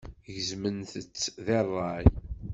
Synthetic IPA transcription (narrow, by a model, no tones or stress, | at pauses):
ʝzmənθət͡sːðerˤːɑj